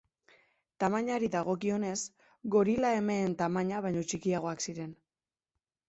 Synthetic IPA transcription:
t̪amaɲaɾiðaɣo̞kio̞ne̞s | ɡo̞ɾilae̞me̞ːnt̪amaɲaβajɲo̞t͡ʃikiaɣ̞o̞aksiɾe̞n

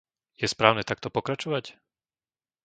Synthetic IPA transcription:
jɛspɾaːʊnɛːt̪ak̚t̪ɔpɔkɾat͡ʃɔʋac

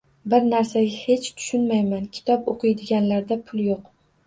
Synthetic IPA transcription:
bɪɾnaɾsaɡʲahe̞t͡ʃt̪ʰʊ̥ʃʊnmajmankʲʰɪ̥t̪ʰɒpoqʰɨjd̪ɪɡʲanlaɾd̪apʰʊlˠjoq

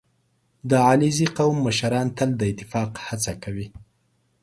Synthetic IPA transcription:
d̪əɑliziqawmːəʃaɾɑnt̪əld̪əɪt̪ːɪfɑqhat͡sakawi

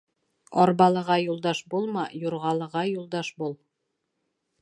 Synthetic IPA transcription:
ɒɾbɑlˠɤ̆ʁɑjulˠd̪ɑʃbulˠmɑjuɾʁɑlˠɤ̆ʁɑjulˠd̪ɑʃbulˠ

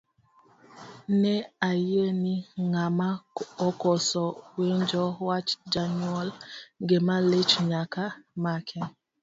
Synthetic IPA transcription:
neajeniŋamaɔkɔsɔwend͡ʒɔwat͡ʃd͡ʒanɔlɡemalet͡ʃɲakamakʰɛ

